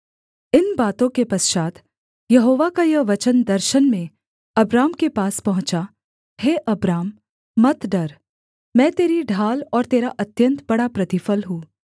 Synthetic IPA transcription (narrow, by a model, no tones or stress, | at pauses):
ɪnbaːt̪õkepɐsʃaːt̪ | jɐɦoːʋakajɐʋɐt͡ʃənd̪ɐɾʃənmẽ | ɐbɾaːmkepaːspɐɦʊ̃t͡ʃa | heːʔɐbɾaːmː | ɐt̪ɖɐɾ | mɛ̃ːt̪eːɾiɖʱaːlɔːɾt̪eːɾaʔɐt̪jə̃nt̪bɐɽapɾɐt̪ɪfəlɦũː